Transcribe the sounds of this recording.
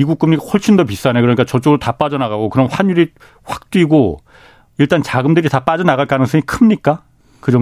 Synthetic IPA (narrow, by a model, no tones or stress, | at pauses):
iɡuk͈ɯmɲikahoɭɕ͈ʰimdʌp̬is͈anekɯɾʌɲik͈at͡ɕʌt͡ɕ͈oɡɯɾotap͈ad͡ʑʌnaɣaɡokɯɾʌnɸwaɲuɾi | ɸwḁk̚t͈wiɡo | iɭt͈ant͡ɕaɡɯmdɯɾitap͈ad͡ʑʌnaɣaɭk͈anɯŋs̬ʰʌŋikʰɯmɲik͈a | kɯd͡ʑʌ